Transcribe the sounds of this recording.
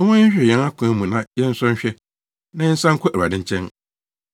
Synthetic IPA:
wɔ̃˦ɪ̃˦ɕᶣɛ˨jɛ̃˨˦na˦kʰʊ̃˨æ˨˦mũ˨nã˦jɛ˦n̩˦sʊ̃˦ɕᶣɛ˦ | nã˨˦jɛ˦n̩˦sã˦ŋ̩˦kʰʊ˦ʔæ˨a̰˨dɪ̃˦ɲ˦t͡ɕʰɛ̃˦n

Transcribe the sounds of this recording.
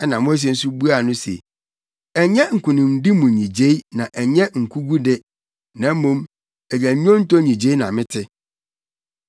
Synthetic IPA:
ɛ˦nã˨mʊ̃˦æ˦s̬i˦ɛ˦n̩˦su˦bu˦a˨nʊ̃˦sḛ˨ | ɛ˨ɲɛ˦ŋ̩˨kʰũ˨nʊ̃˨m˨˦di˦mũ˨ɲĩ˨d͡ʑe˦i˦nã˨ʔɛ˨ɲɛ̃˦ŋ̩˨kʰu˦ɡu˦dɪ˦ | nã˨˦mũ˦m | ɛ˨d͡ʑæ˨˦ɲᶣ˦ɔ̃˦n̩˦to˦ɲĩ˨d͡ʑe˦i˦nã˨mɪ̃˦tʰɪ˦

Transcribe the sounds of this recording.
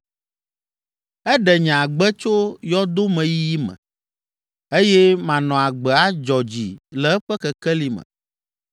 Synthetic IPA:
ɛ˦ɖɛ˨ɲ̃˨a˨ɡ͡bɛ˦t͡ʃo˦jɔ˦d̪o˦mɛ̃˨ji˦ji˦mɛ̰̃˨ | e˦jɛ˦mã˨nɔ̃˨a˨ɡ͡bɛ˨a˦d͡ʒɔ˨d͡ʑi˨lɛ˨ɛ˦ɸɛ˦kɛ˨kɛ˦li˨mɛ̰̃˨

